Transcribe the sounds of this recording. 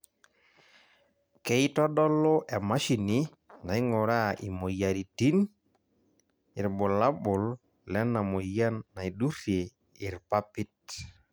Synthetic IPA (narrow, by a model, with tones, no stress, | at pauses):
kɛ˦i˦tɔ˦dɔ˦lo˦ʔɛ˨ma˦ʃi˨ni˦ | na˨i˦ŋɔ˨ɾa˦i˨mo˨ja˨ɾi˨ti˦n | i˨ɾbɔ˨la˦bʊ˨l | lɛ˦na˨mo˨ja˦nːa˨i˨du˦ɾje˨ | i˨ɾpa˦pi˦t̚